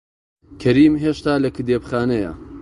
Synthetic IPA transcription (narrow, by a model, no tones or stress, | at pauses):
kʰɐɾiːmɦeːʃt̪aːlɐkɨd̪eːpxaːnɐjɐ̰